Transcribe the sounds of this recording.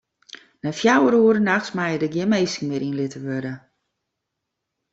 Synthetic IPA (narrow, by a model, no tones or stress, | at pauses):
nɛfjawəɾuəɾənaxsmajədəɡjɪnmejsŋ̩mɪəɾinlɪtəʋødə